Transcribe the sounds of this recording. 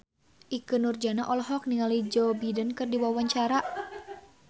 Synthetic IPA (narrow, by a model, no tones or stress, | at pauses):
ʔikɨnurd͡ʒanaʔɔlɦɔk̚niŋalid͡ʒɔbidənkɨrdiwawaɲt͡ʃaɾa